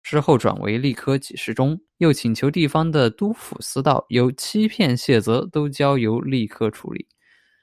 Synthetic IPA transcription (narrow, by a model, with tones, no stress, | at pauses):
ʈ͡ʂɻ̩˥xo˥˩ʊʈ͡ʂwa̰˨˩nwʔḛ˧˥ɪli˥˩kʰɤ˥t͡ɕi˨˩ʂɻ̩˥˩ʈ͡ʂʊ˥ŋ | jo˥˩ʊt͡ɕʰi˨˩ŋt͡ɕʰjo˧˥ʊt̪i˥˩fɑ˥ŋd̪ə˨t̪u˥fṵ˨˩sɹ̩˥t̪ɑ̰˥˩ʊjo˧˥ʊt͡ɕʰi˥pʰjɛ˥˧nɕjɛ˥˩t͡sɤ˧˥t̪o˥ʊt͡ɕjɑ˥ʊjo˧˥ʊli˥˩kʰɤ˥ʈ͡ʂʰṵ˧˥lḭ˨˩˦